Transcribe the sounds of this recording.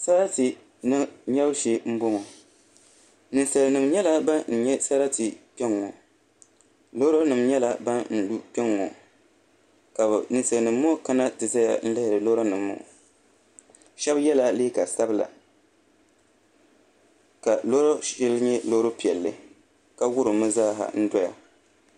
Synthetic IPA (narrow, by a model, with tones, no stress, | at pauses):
sa˦ɾa˦tɨ˨ | n˦ɲɛ˦bʃe˦m̩˦bʊ˦ŋɔ˨ | nɨ˨nsɨ˨ɾnɨ˨mɲɛ˦la˦ba˦n̩˨ɲɛ˦sa˦ɾa˦tɨ˨pɛ˦ŋːɔ˨ | lo˦ɾo˦nɨ˨mɲɛ˦la˦ba˦nn̩˨du˦pɛ˦ŋːɔ̰˨ | ka˨bnɨ˨sɨ˨ɾnɨ˨mː˦ɔ˦ka˦na˦tɨ˨za˦ja̰˨n̩˦la˦hɪ˨ɾɨ˨lo˦ɾo˦nɨ˨mːʊ̰˨ | ʃɛ˦bjɛ˦la˦leː˦ka˨sa˦bla̰˨ | ka˨lo˦ɾo˦ɪ˦lɲɛ˦lo˦ɾo˦pi˨ɛ˨lːɨ̰˨ | ka˦wʊ˦ɾɨ˨mɨ˦zaː˦ɦa̰˨n̩˦dɔ˦ja̰˨